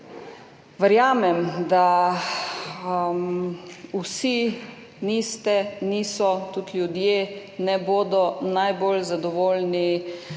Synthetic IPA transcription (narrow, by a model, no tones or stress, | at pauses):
ʋəɾjaːmɛmd̪a | usi | niːst̪ɛniːsɔt̪ut̪lʲjud̪jenɛboːd̪ɔnajboːlzad̪ɔʋoːlni